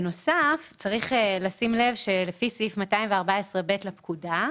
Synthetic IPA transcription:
no̞saft͡saʁiχelasimlevʃelefisiifmataimveaʁbaesʁebe̞tlapkuda

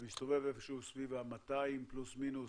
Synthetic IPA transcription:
mist̪o̞vevefʃeusvivamat̪aimplusminu

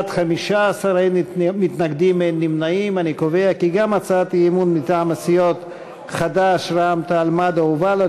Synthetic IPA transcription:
t̪χamiʃaːsaɾainmit̪naɡd̪imenːimnaimanikoveakiɡamat͡saat̪imunmit̪aʕamasijot̪ | χad̪aʃɾaamt̪almad̪auvala

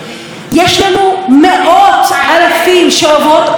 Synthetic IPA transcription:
jaʃamumɪʔaːt̪ʕalaθiːnʃaːðˤɑːt̪

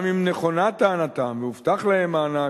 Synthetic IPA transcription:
mimneχo̞nat̪aːnat̪amveuft̪aχlahemaːna

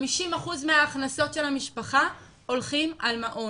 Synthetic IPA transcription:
miʃimaχuzmeaːχnaso̞tʃe̞lhamiʃpaχa | o̞lχimalmaʔo

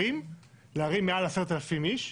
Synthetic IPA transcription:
imleaʁimːealase̞ʁet̪alafimiʃ

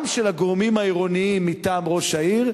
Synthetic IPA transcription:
mʃelhaɡoʁmimaiʁo̞niimːitaːmʁo̞ʃaiʁ

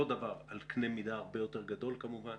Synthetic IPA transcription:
od̪avaʁalknemid̪aːʁbe̞jo̞te̞ʁɡado̞lkamuvan

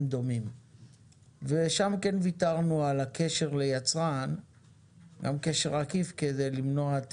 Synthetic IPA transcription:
md̪o̞mim | veʃamke̞nvit̪aʁnualakʰeʃe̞ʁlejat͡sʁan | ɡamkeʃe̞ʁakifked̪ejlimnoat̪

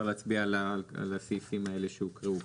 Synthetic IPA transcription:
ʁlaːt͡sbialaa̰lasijfimae̞leʃeukʁeu

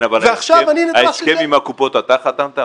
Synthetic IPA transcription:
avaleaʃavaninaaeskkemimakupo̞t̪at̪aχat̪ant̪a

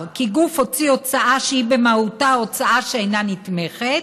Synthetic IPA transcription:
kiɡufho̞t͡siot͡saʔaʃehibemahutaot͡saʔaʃeejnanit̪meχet̪

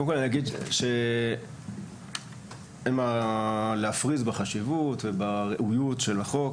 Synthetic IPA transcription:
konmkolanijaɡid̪ʃe | emaleafʁizbeχaʃivutvebaʁeʔujutʃelaχok

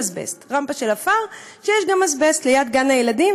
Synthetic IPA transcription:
zbḛstʁampaʃelafaʁʃejeʃɡamazbestlejad̪ɡanajeladim

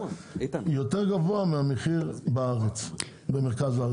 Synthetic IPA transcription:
jot̪eʁɡavoameameχiʁbaaʁet͡s | bemeʁkaza

